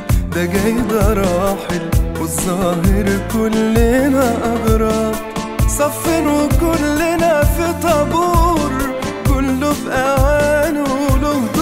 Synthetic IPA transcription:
b̪aɡæjd̪aɾˤɑːħɪlwɪzˤːɑːɦɪɾkʊlːɪnaʔɑd̪ɾˤɑb̪ˤsˤɑfːɪnkʊlːɪnafit̪ˤɑbuːɾ | kʊlːʊbʔawaaːnlʊ

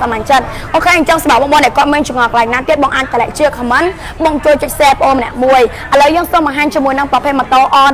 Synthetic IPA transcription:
samaɲt͡ɕət̪̚ | kɔkʰaːəɲt͡ɕəŋsɓɑp̚ɓɑːŋɓoːnɗaɛkŏət̪̚miənt͡ɕʊŋɑːkʰəlaɛŋnaːt̪iət̪̚ɓɑːŋʔaːɲ̚k̪əlɛ̰ʔ̚t͡ɕiəkʰːmɨn | ɓɑːŋt͡ɕuəlt͡ɕəc̚seːpəʔoːnmənɛ̆əʔmuəjʔaləwjəːŋsŏəmɓɑŋɦaːɲt͡ɕiəmuəjnɨŋprɑpʰeːt̪̚mət̪oəʔɑː

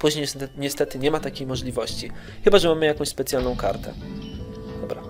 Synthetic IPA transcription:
puʑɲejɛɲɛst̪ɛt̪ɘɲɛmat̪akʲejmɔʐlʲivɔɕt͡ɕi | xɘbaʐɛmamɘjakɔ̃w̃ɕʲspɛt̪sʲjalnɔ̃w̃kaɾt̪ɛ̰ | d̪̥ɔbɾa

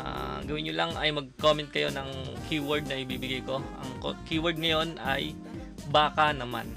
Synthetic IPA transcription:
ʔa̰ɡɐwɪnɲʊlɐŋɐ̰jmɐɡ̚komɛnt̪̚kɐjo̞nɐŋkʰiːwɔɹd̪̚nɐʔɪbiːbɪɡajko̞ʔɐ̰ŋko̰kiwɐɹd̪̚ŋɐjo̞nʔɐj | baːkɐnɐma̰n

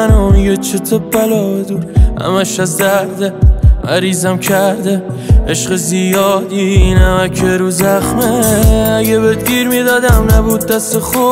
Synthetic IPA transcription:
anojot͡ʃʰet̪ʰob̚bælɒːd̪uæ̰mæʃæzd̪æɾd̪eæɾiːzæmkʰæɾd̪e | eʃqezijɒːd̪inæmækʰeɾuzaχmeːɡebed̪ɡiɾmid̪ɒːd̪amnæbud̪̚ːæseχo

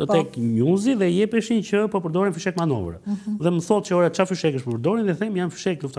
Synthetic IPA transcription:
ət̪ɛkɲuziðɛjɛpɛʃincəpɔpəɾd̪ɔɾinfyʃɛkmanɔ̰vɾə̰ðɛməsɔl̚cəɔɾat͡ʃafyʃɛkəʃpɔpəɾd̪ɔɾinðɛθɛmjanfy̥ʃɛkluft̪a

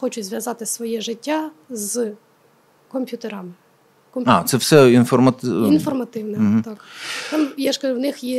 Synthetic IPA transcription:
xɔt͡ʃʊzʋjɐzɑt̪ɪsʋɔjɛʒɪtʲːa | z | kɔmʲpʲjut̪eɾɐmɪ | kɔmʲa̰t̪sɛwsɛinfɔrmɐt̪infɔrmɐt̪ɪwnɛɦ̩t̪ɑkt̪ɑmjɛʃkɐʒwnɪxjɛ

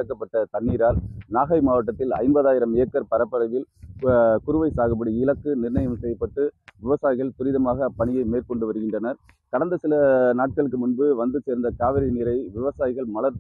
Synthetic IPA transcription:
ɐkːɐpːɐʈːɐt̪ɐɳːiːɾaːlnaːɣɐɪmaːʋɐʈ̬ːɐt̪ːɪlɐ̰ɪmbɐðaːjɪɾɐmɪjɐkːɐɾpɐɾɐpːɐɾɐʋɪl | kʊɾɯʋɐɪsaːɣɐp̬ːɐɽiɪlɐkːɯnɪrnɐjɐmsɛjɐpːɐʈːɯʋɪʋɐsaːjɪɣɐɭt̪ʊɾɪðɐmaːɣɐpɐɳɪjɐɪmeːɾkɔɳɖɯʋɐɾɯɣɪndrɐnɐɾ | kɐɽɐnd̪ɐsɪlɐnaːʈ̚kɐɭɯkːɯmʊnbɯʋɐnd̪ɯt͡ʃːeːɾnd̪ɐkaːʋɪɾɪnɪɾɐɪʋɪʋɐsaːjɪɣɐɭmɐɭɐɾ

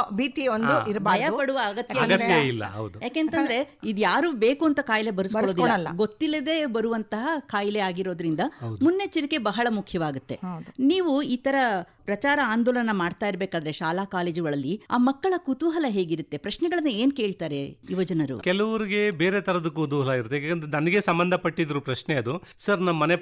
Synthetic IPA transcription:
biːt̪iondd̪uiɾbaɐɾjɐpɐɽuʋɐːɡɐt̪jɐɐiɡɐjɐilːɐ̰ɦɐ̰wdd̪ujaːkeːnt̪ɐnd̪ɐɾe̞id̪jaːɾube̞ːkuɐnt̪ɐkaːjle̞bɐɾusɐɔɭoːd̪lːɐlːa̰ɡo̞t̪ːilːɐd̪e̞ːbɐɾuʋɐnt̪ɐɦɐkaːjleaːɡiɾo̞ːd̪ɐɾind̪ɐd̪munːe̞t͡ʃiɾike̞bɐɦɐɭɐmukʰjɐʋaːɡut̪ːe̞ɐd̪niːʋuiːt̪ɐɾɐpɾɐt͡ʃaːɾɐaːnd̪oːlɭɐnːɐmaːɖt̪aːjiɾbeːkaːd̪ɐɾeʃaːlaːkaːle̞ːd͡ʒuɡɐɭɐlːia̰ːmɐkːɐɭɐkut̪uːɦɐlɐɦe̞ːɡiɾut̪ːe̞pɾɐʃnɛɡɐɭɐnːue̞ːnke̞ːɭt̪aːɾe̞iʋɐd͡ʒɐnɐɾṵkɛlɐʋɐɾiɡe̞beːɾet̪ʰɐɾɐd̪ɐkut̪̬uɦɐlɐiɾut̪ːekːɐnd̪ɾenɐnɐɡesɐmbɐnd̪ʱɐpɐʈːid̪ɾupɾɐʃneɐd̪usɐɾnɐmːɐne

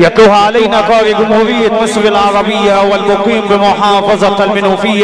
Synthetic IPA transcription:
jɑt̪ˤluːhaʕalajnaːqɑːɾiɡʊmhuːɾɪjːanɪsˤɾalʕɑɾˤɑbɪjːawɪlmʊqiːmbɪmʊħɑːfɑzˤɑlmɪnuːfɪjːa

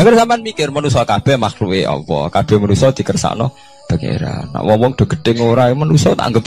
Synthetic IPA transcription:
aŋkərsamanmikɪrmənusɔkab̥ɛhmaklueɔ̰pɔ̰kab̥ɛ̤hmənusɔd̪̥i̤kərsa̰ʔnɔ | b̥ə̤ŋḛɾa̰nːa̰ʔwɔwɔŋd̪̥ɔ̤ɡ̥ə̤t̪eŋoɾamənusɔt̪a̰ŋɡəp̚

